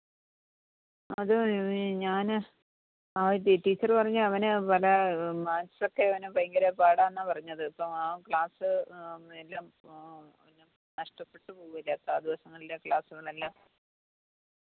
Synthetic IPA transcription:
ɐðɨɲaːn | aːiʈːiːt͡ɕːɐrpɐrɐɲːuɐʋɐnɨpɐlɐmaːt͡ɕːso̞kːe̞ɐʋɐnɨpɐjŋɡɐɾepaːɽaːenːapɐrɐɲːɐðɨɐpːomaːkɭaːsɨelːaːm | ɲːam | nɐʂʈɐpːe̞ʈːɨpuːʋilːet̪ːaːd̪iʋɐsɐŋːɐɭilekɭaːsuɣɐɭelːaːm

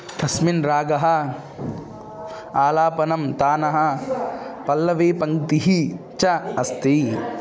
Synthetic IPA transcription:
t̪ʰɐsminɾaːɡɐɦɐ̆ | aːlaːpɐnɐmt̪aːnɐɦɐ | pɐlːɐʋeːpɐŋt̪iɦit͡ʃɐɐst̪i

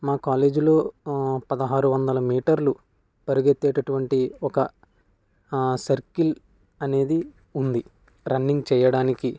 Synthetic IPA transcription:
maːkaːle̞ːd͡ʒulo̞ːpɐd̪ɐɦaːɾuʋɐnd̪ɐlɐmiːʈɐɾlu | pɐɾuɡet̪ːeːʈɐʈuʋɐɳʈiɔkɐ | sɐɾkil | ɐne̞ːd̪i | und̪i | ɾɐnːiŋɡt͡ʃɛːjɐɽaːniki

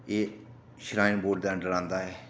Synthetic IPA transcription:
eː | ʃɾaːɪnboːɖd̪ɛ̃ːɖəɾãːnd̪aːɦɛː

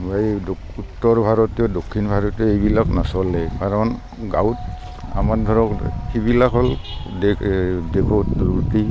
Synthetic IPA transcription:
baido | utːɔɹbʱaɹɔtiɔdokʰːinbʱaɹɔtiɔejbilaknɔsɔlɛkaɹɔn | ɡawt | a̰mad̪ʱɔɹɔkxibilakɦɔldedekʰɔtduɹti

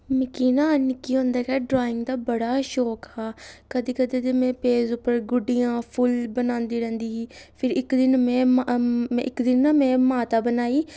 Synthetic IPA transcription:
mɪkiːnãːnɪkiːɦõːnd̪aːkɛːɖɾaːɪ̃ŋɡd̪aːbəɽaːʃoːkhaːkəd̪iːkəd̪ed̪eːmɛ̃ːpeːzʊpːəɾɡʊɖijãːpʰʊlbənãːnd̪iːɾɛ̃ːnd̪iːɦiːpʰɪɾɪkd̪ɪnmɛ̃ːmɛ̰̃ʔɪkd̪ɪnːaːmɛ̃ːmaːt̪aːbənaːiː

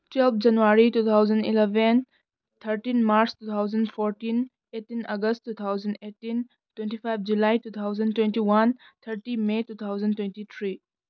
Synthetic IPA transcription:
twɛlp̚ʰd͡ʒɐnuaɾitut̪ʰawd͡ʒɐnḭlebʱen | t̪ʰəɾtinmaɾstut̪ʰawd͡ʒɐnpʰoɾtin | etinaɡəstːut̪ʰawd͡ʒɐnetin | twentipʰajp̚ʰd͡ʒulajtut̪ʰawd͡ʒɐntwentiwant̪ʰɐɾtimetut̪ʰawzɐntwentit̪ʰɾi

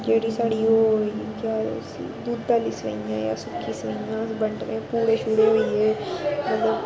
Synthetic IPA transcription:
d͡ʒeːɽiːsaːɽiːɦoːija̰ːsḭd̪uːd̪̚ːaːliːsʋə̰ijã̰ːja̰ːsʊkʰːiːsɾəjãːbəɳʈnẽːpuːɽeːʃʊɽeɦoiːeːmət̪ləb

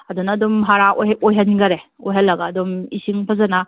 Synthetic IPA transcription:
ɐdunːdumɦaɾaʔoojɦɐnɡɐɾeojɦɐlːɐɡaːdumḭsiŋpʰɐzana

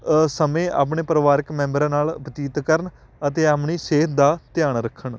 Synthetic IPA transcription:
səmẽːa̰ːp̬ɳeːpəɾəʋaːɾɪkmɛ̃ːmbəɾãːnaːlbət̪iːt̪kəɾn | ət̪eːaːpɳiːseːt̪d̪aːt̪jaːɳɾəkʰːəɳ

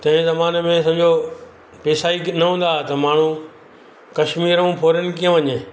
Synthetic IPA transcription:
t̪ɐ̃ɦɪ̃zɐmaːnmẽs̬ɐ̃d͡ʑo | peːsaːinɐɦũːn̆d̪aːt̪ɐmaːɳ̤ũ | kɐʃmiːɾũpʰoːɾjənɪ̆kiə̃ʋɐɲe

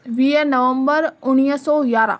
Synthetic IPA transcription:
ʋiːenəʋəmbəɾʊñijəsɔːɡaːɾã̰ː

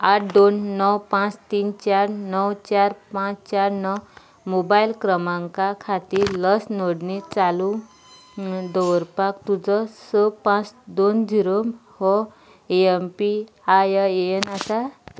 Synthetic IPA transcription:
aʈʰd̪onːɔwpãt͡st̪iːnt͡ɕaɾnɔwt͡ɕaɾpãt͡st͡ɕaɾnɔw | mobailkɾəmãŋkakʰat̪iːɾləsnoɽnit͡salu | d̪ɔwəɾpakt̪ud͡zɔsəpãt͡sd̪ond͡ʑiɾomhɔ | eempi | ajaeenasa

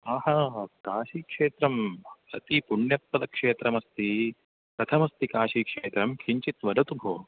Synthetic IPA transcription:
aːhɐkaːʃiːkʂeːt̪ɾɐmɐ̰t̪ipuɳjɐt̪̚pɐd̪ɐkʂeːt̪ɾɐmɐst̪i | pɾɐt̪ʰɐmɐst̪ikaːʃiːkʂeːt̪ɾɐmkʰiɲt͡ʃit̪ʋɐd̪ɐt̪ubʱo̰ː

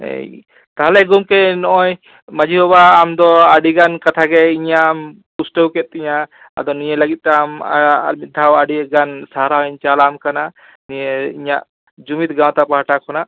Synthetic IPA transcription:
ɦɛ̰j | t̪aɦlɛɡumkɛnɔʔɔj | mad͡ʒʱiɦɔbaːmd̪ɔaɖiɡankat̪ʰaɡɛiɲam | pusʈəwkɛt̪̚t̪iɲa | a̰d̪ɔnijɛləɡit̪̚t̪ɛma̰ɾmit̪̚d̪ʱawaɖiɡansaɾaɛɲt͡ʃalamkana | nijeiɲaʔ | d͡ʒumit̪ɡãw̃t̪apaɦaʈakʰɔnaʔ

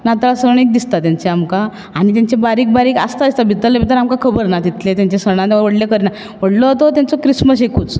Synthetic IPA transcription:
nat̪alasəɾɳ̃ek̚d̪ist̪at̪jaɲt͡seamkaː | ñit̪̬aɲt͡ɕebaɾiːk̚baɾiːka̰st̪ad̪ist̪abʱit̪ːəlːebit̪əɾamkakʰəbəɾnat̪it̪let̪jaɲt͡ɕesəɳ̃ãt̪eʋəɽlekəɾna | ʋ̤əɽlot̪ot̪jant͡sokɾisməsekuːt͡s

